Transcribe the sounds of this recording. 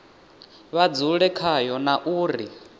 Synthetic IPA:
βad͡zuɺɛkʰajɔnaʔuːri

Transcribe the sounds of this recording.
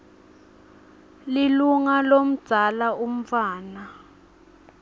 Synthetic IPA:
liluŋalom̩d̥z̥ʱalaum̩faːna

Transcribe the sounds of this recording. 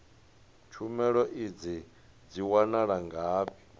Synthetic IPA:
t͡ʃʰumɛɺɔʔid͡zi | d͡ziwanaɺaŋɡaːpi̥

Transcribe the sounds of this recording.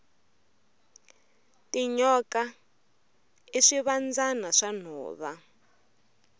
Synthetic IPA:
tiɲɔka | iʂiβand͡zanaʂan̤ɔ̰ːβa

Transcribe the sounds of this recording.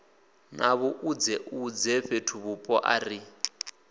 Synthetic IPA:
naβɔʔud͡zɛʔud͡zɛɸetʰuβupʼɔʔa̰ri

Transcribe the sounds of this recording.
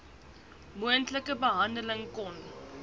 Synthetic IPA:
muəntləkəbəɦɐndələŋkɔn

